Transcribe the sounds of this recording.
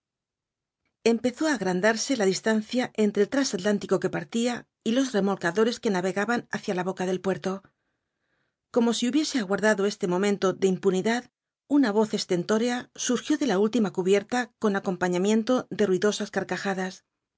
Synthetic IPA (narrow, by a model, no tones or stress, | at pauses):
e̞mpe̞θo̞aːɣɾand̪aɾse̞laðist̪anθjaʔe̞nt̪ɾelt̪ɾasat̪lant̪iko̞ke̞paɾt̪ia | ilo̞zre̞mo̞lkaðo̞ɾe̞ske̞naβe̞ɣaβanaθjalaβo̞kaðe̞lpwe̞ɾt̪o̞ | ko̞mo̞siuβje̞se̞aɣwaɾðaðo̞e̞st̪e̞mõ̞mẽ̞nt̪o̞ðe̞impuniðað | unaβ̞o̞θe̞st̪e̞nt̪o̞ɾe̞asuɾxjo̞ðe̞lault̪imakuβje̞ɾt̪ako̞nako̞mpaɲamje̞nt̪o̞ðe̞rwiðo̞saskaɾkaxaðas